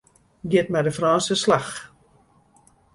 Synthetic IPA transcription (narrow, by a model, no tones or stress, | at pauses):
ɡɪt̚mɛdəfraːnsəslax